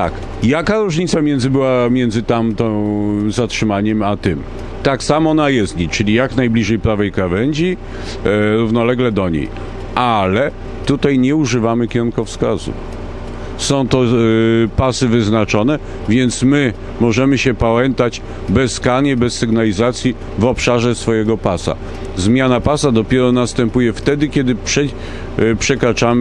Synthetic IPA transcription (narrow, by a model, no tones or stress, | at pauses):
t̪a̰k | jakaɾuʐɲit̪samʲjɛnd̪zɘbɘwamʲjɛndzɘt̪amt̪ɔ̃zatʂɘmaɲɛmat̪ɘm | t̪aksamɔnajɛst̪ɲit͡ʂɘlʲijaknajblʲiʐɛjpɾavɛjkɾavɛɲd͡ʑi | ɾuvnɔlɛɡlɛd̪ɔɲḛj | ʔalɛ | t̪ut̪ajɲɛuʐɘvamɘkʲɛɾuŋkɔfskazṵf | sɔ̃w̃t̪ɔpasɘvɘznat͡ʂɔnɛ | vʲjɛnt̪smɘ | mɔʐɛmɘɕɛpawɛnt̪ad͡ʑ | bɛskaɲɛbɛsːɘɡnalʲizat̪sʲji | vɔpʂaʐɛsfɔjɛɡɔpasa̰ | zmʲjanapasad̪ɔpʲjɛɾɔnast̪ɛmpujɛft̪ɛd̪ɘkʲɛd̪ɘpʂɛ | pʂɛkɾat͡ʂam